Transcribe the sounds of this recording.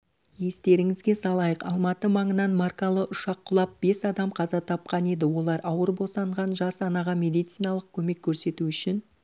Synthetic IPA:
je̞st̪e̞ɾɪŋɪzɡʲe̞sɑlˠɑjəqɑ̰lˠmɑt̪əmɑɴənɑnmɑrkɑlˠəʔʊʃɑqʰːʊlˠɑp̚b̥e̞sɑd̪ɑmqʰɑzɑt̪ʰɑp̚qɑne̞d̪ɪwo̞lˠɑɾʔɑwəɾbo̞sɑɴʁɑnʒɑsɑnɑʁɑmʲe̞d̪ijt̪sijnɑlˠəq̚kʲʰɵme̞kʲʰːɵɾse̞t̪uʏʃɪn

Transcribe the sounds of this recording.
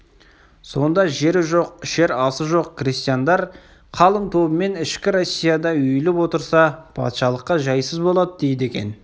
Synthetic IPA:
so̞nd̪ɑʒe̞ɾɪʒoqʃe̞ɾɑsəʒo̞qkrist̪ijand̪ɑɾ | qʰɑlˠənt̪ʰo̞bəme̞nɪʃkʲɪɾo̞sʲːijad̪ɑʏjlɪpwo̞t̪əɾsɑpʰɑ̰t̪ʃɑlˠəqːɑʒɑjsəzbo̞lˠɑd̪əd̪e̞jɪd̪e̞kʲe̞̰n

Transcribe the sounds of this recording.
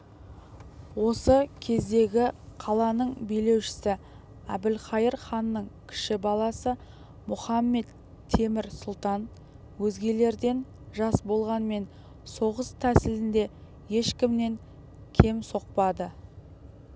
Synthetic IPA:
wo̞səkʲʰe̞zd̪e̞ɡʲɪqʰɑlˠɑnəɴbejle̞wʃɪ̥sɪ | æbɪlχɑjəɾχɑnːəɴkʲʰɪ̥ʃɪbɑlˠɑsə | mʊχɑmːe̞t̪ʰː | e̞mɪɾsʊlˠt̪ɑn | wɵzɡʲe̞le̞ɾd̪e̞n | ʒɑsbo̞lˠʁɑnme̞n | so̞ʁəst̪ʰæsɪlɪnd̪e̞ | je̞ʃkʲɪmne̞ŋ | kʲʰe̞mso̞q̚pɑd̪ə

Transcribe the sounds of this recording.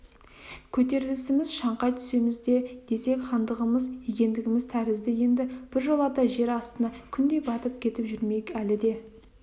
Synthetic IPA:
kʲʰɵt̪e̞ɾɪlɪsɪmɪzʃɑɴqɑjt̪ʰʏ̥se̞mɪzd̪e̞d̪̥e̞se̞kχɑnd̪əʁəməzjekʲe̞nd̪ɪɡʲɪmɪzt̪ʰæɾɪzd̪ɪje̞nd̪ɪb̥ɪɾʒo̞lˠɑt̪ɑʒe̞ɾɑst̪ənɑkʲʰʏnd̪e̞jbɑt̪əp̚kʲʰe̞t̪ɪpʒʏɾme̞kʲælɪd̪e̞

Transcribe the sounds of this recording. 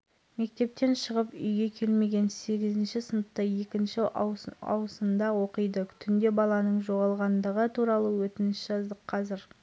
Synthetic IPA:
me̞k̚t̪e̞p̚t̪e̞nʃəʁəpʏ̰jɡʲe̞kʲʰe̞lme̞ɡʲe̞nse̞ɡʲɪzɪnʃɪsənət̪ːɑje̞kʲɪnʃɪɑ̰wəsənd̪ɑwo̞qəjd̪ət̪ʰʏnd̪e̞bɑlˠɑnəɴʒo̞ʁɑlˠʁɑnd̪əʁət̪ʰuɾɑlˠəwɵt̪ɪnɪsʒ̥ɑzd̪əqqʰɑzɪɾ

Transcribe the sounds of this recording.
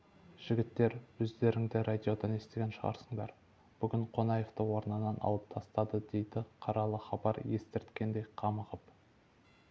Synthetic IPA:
ʒ̥ɪɡʲɪt̪ːe̞ɾwɵzd̪e̞ɾɪŋd̪ɪɾad̪ʲio̞d̪ɑne̞st̪e̞ɡʲenʃəʁɑ̰ɾsəɴd̪ɑ̰ɾ | b̥ʏɡʲɪɴqʰo̞nɑje̞ft̪əwo̞ɾnɑnɑnʔɑ̰lˠəp̚t̪ʰɑst̪ɑd̪əd̪e̞jd̪ɪqʰɑɾɑlˠəχɑbɑɾje̞st̪ɪɾt̪kʲe̞nd̪e̞jqʰɑməʁəp

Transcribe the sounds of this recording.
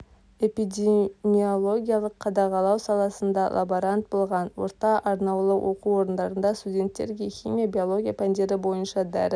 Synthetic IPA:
e̞pid̪ʲemio̞lˠo̞ɡʲijalˠəqʰːɑd̪ɑʁɑlˠɑwsɑlˠɑsənd̪ɑlʔa̰boɾant̪̚bo̞lˠʁɑnwo̞̰ɾt̪ɑʔɑɾnɑwlˠəwʔo̞quo̞ɾənd̪ɑɾənd̪ɑst̪udʲe̞nt̪ːe̞ɾɡʲexʲimʲijabʲio̞lˠo̞ɡʲijapand̪ʲe̞ɾɪbo̞jənʃɑd̪æɾ

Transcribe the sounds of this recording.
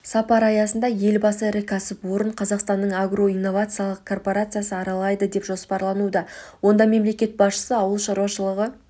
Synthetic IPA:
sɑpɑɾɑjɑsənd̪ɑje̞lbɑsəɪɾɪkʲʰæsɪpwo̞ɾəɴqʰɑzɑqst̪ɑnːəɴaɡro̞ijnːo̞vat̪sɨjalˠəq̚kʰo̞rpo̞ɾat̪sɨjasəɑɾɑlˠɑjd̪əd̪e̞pʒo̞spɑɾlˠɑnud̪ɑwo̞nd̪ɑme̞mle̞kʲe̞t̪̚bɑsʃə̥səɑwəlˠʃɑɾwɑʃəlˠəʁə

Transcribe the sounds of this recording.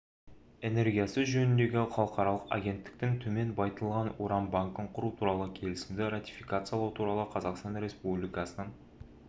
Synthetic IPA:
e̞ne̞ɾɡʲijasəʒɵnɪnd̪e̞ɡʲɪχɑlˠəqɑɾɑlˠəqa̰ɡʲe̞nt̪ːɪ̥k̚t̪ɪŋt̪ʰɵme̞nbɑjt̪əlˠʁɑnoɾɑmbaŋkəɴqʰʊɾut̪ʰuɾɑlˠəkʲʰe̞lɪsɪmd̪ɪɾat̪ʲi̥fijkat̪sɨjɑlˠɑwt̪ʰuɾɑlˠəqʰɑzɑqst̪ɑnɾʲe̞spublijkɑsənəɴ

